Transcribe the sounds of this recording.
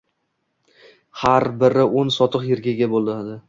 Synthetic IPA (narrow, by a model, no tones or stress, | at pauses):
haɾbɪɾɪonsɒt̪ʰɨqjɪɾɡʲaɡʲabolˠad̪ɪ